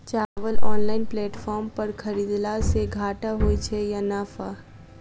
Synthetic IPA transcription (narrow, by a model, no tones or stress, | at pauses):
t͡ʃaːʋəlɔːnlaːɪnpleːʈfɔːɾmpɐɾkʰɐɾiːd̪laseɡʱaːʈaɦoːit͡ʃʰejanaːfa